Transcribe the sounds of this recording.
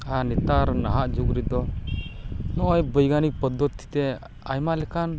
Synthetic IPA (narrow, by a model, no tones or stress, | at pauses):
anɛt̪aɾnaɦaʔd͡ʒuɡɾid̪ɔ | nɔʔɔjbəjɡanik̚pɔd̪ːɔt̪ʰːi̥t̪ɛ | ajmalɛkan